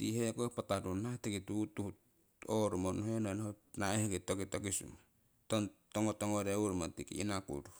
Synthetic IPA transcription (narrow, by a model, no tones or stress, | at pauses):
tihekopatadunatekitutuhu | oɾumonoɦenonhonaehekitokitokisṵma | tontoŋotoŋoɾeuɾmatikḭḭnakṵdu